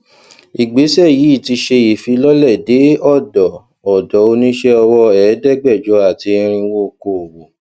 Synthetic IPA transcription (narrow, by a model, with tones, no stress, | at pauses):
i˨ɡ͡be˨˦sɛ˦˨ji˨˦i˦˨ti˧ʃe˧ji˨fi˧lɔ˦lɛ˦˨de˨˦ɔ˦˨dɔ˨ | ɔ˨dɔ˨˦o˧nĩ˦ʃɛ˦ɔ˧wɔ˧ɛː˨˦dɛ˦˨ɡ͡bɛ˦˨d͡ʒɔ˨˦a˨ti˧ɾ̃ĩ˧wo˦˨ko˨wo˨